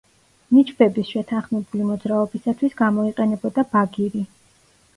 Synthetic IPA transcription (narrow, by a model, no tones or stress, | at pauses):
nit͡ʃʰbɛbisʃɛt̪ʰanχmɛbulimɔd̪zɾaɔbisat̪ʰwisɡamɔiqʼɛnɛbɔd̪abaɡiɾi